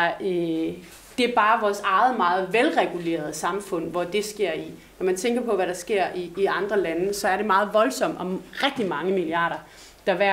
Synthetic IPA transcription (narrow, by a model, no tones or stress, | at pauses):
d̥e̝æɐb̥ɑ̈ːʋɒːsɑ̈ɪð̩ˠmɑ̈ːð̞̩ˠʋelʁɛɡ̥ule̝̰ːɐð̞̩ˠəsɑ̈mfɔ̽n̰ʋɒd̥e̝sɡ̥e̝ɐ̰i | nɒmænt͡sʰeŋ̰ɡ̥ɐpʰɒ̽ʋæɾɑ̈sɡ̥e̝ɐ̰ʔiːɑ̈nd̥ʁɐlænəsɒ̽æɐɾe̝mɑ̈ːð̞̩ˠʋɒ̽lsɒ̽m̰ɒ̽ʁɛɡ̥̚d̥imɑ̈ŋəmiliɑ̰̈ːɾɐ | d̥ɑ̈ʋæɐ